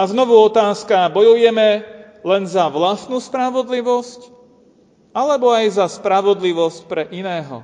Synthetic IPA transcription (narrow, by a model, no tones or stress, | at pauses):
aznɔʋuɔt̪aːskabɔjujɛmɛ | lɛnzaʋlast̪nuːspɾaʋɔd̪liʋɔsc | alɛbɔajzaspɾaʋɔd̪liʋɔscpɾɛʔinɛːɦɔ̰